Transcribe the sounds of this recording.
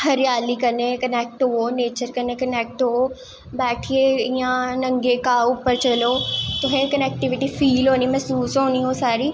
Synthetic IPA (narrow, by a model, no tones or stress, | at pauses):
hɐɾjaːlikɐnekɐneːk̚ʈɦoɦoneːt͡ɕəɾkɐnekɐneːk̚ʈɦoo | bɛːʈʰieiːãnɐ̃ŋɡekãupəɾt͡ɕɐlot̪ʊɦẽkɐneːk̚ʈɪʋɪʈifiːlɦõːnimɐsuːsɦõːniɦosaːɾi